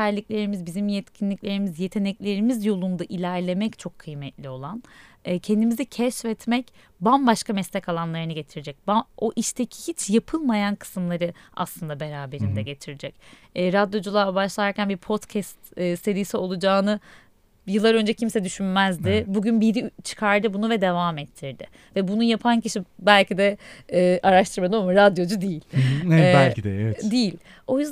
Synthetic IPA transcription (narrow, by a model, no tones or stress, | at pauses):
æɾlʲicʲlʲe̞ɾimizbizimjɛt̪cʰinlʲicʲlʲe̞ɾimizje̞t̪ʰe̞nɛclʲe̞ɾimizjo̞lˠund̪aʔilʲæɾlʲe̞mɛct͡ʃʰo̞kʰːɯjmɛt̪lʲio̞lˠanː | cʰɛnd̪imizicʰɛʃvɛt̪mɛc | banbaʃkamɛslʲɛcalˠanlˠaɾɯnɯɟe̞t̪ʰiɾid͡ʒɛc̚bao̞ʔiʃt̪ʰe̞cʰi̥hit͡ʃjapʰɯlˠmajankʰɯ̥sɯmlˠaɾɯa̰slˠɯnd̪abe̞ɾaːbe̞ɾind̪ɛɟe̞t̪ʰiɾid͡ʒɛcː | ɾad̪jo̞d͡ʒulˠabaʃlˠaɾcʰænbiɾpʰo̞t̪cʰɛst̪ːse̞ɾisio̞lˠud͡ʒaːnɯ | jɯlˠːaɾø̞nd͡ʒɛcʰimsɛd̪yʃynmæzd̪ɪbuɟynbiɾit͡ʃʰɯ̥kʰaɾd̪ɯbunuvɛd̪e̞vaːmɛt̪ʰːiɾd̪ɪ | vɛbunujapʰanciʃibælʲcid̪ɛː | ʔaɾaʃt̪ʰɯɾmad̪ɯomɾad̪jo̞d͡ʒud̪ijilʲæld̪ɛɛd̪ijilʲ | o̞jyzd̪